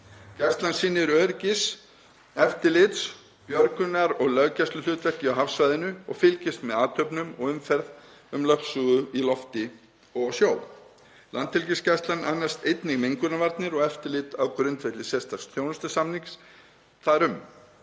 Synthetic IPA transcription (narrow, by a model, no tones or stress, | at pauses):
cast̪lansinːɪɾœːɾcɪs | ɛft̪ɪlɪt̪s | pjœɾkʏnaɾɔɣlœɣcɛst̪ʏlʏːt̪vɛhcɪawɦafsvajðɪnʏɔ̰ɣfɪlcɪst̪mɛðaːt̪ʰœɥpnʏmɔ̰ɣʏmfɛɾð | ʏmlœhsuːɣʏilɔft̪ɪ | ɔɣsjoːwl | lʔant̪ʰːɪlcɪscast̪lanːa̰nːast̪ejt̪nɪɣmejŋkʏnavaɾt̪nɪɾɔɣɛft̪ɪlɪt̪awkɾʏnt̪vet̪lɪsɛ̥st̪ast̪ʰjownʏst̪ʏsamniŋks | θaɾʏm